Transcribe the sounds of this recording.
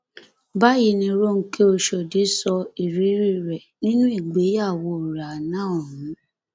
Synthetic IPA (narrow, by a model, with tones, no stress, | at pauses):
ba˦ji˧nĩ˧ɾo˦ŋ̩˦ke˦o˧ʃɔ˨de˨˦sɔ˧i˨ɾi˨˦ɾi˦ɾɛ˨nĩ˦nũ˦i˦˨ɡ͡be˨˦ja˦˨wo˧˦˨ɾa˨nãː˦˨ɔ˨ɦũ˨˦